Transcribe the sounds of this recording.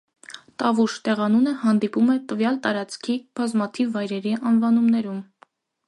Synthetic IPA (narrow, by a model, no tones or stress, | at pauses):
t̪ɑvuʃt̪ɛʁɑnunəhɑnd̪ipumɛt̪əvjɑlt̪ɑɾɑt͡skʰib̥ɑzmɑt̪ʰivːɑjɾɛɾiʔɑnvɑnumnɛɾum